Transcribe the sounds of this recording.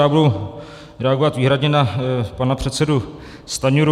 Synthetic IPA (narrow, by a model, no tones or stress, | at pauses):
aːbudow | ɾɛaɡovat̪viːɦɾadɲɛnapanapr̝̥ɛt̪sɛdu | st̪aɲuɾu